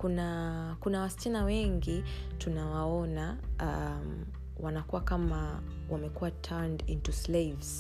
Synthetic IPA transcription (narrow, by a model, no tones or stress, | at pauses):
kuna | kunawast͡ʃinawɛŋɡi | tunawaɔnaam | wanakuwakama | wamɛkuwatʰɛndintuslevz̥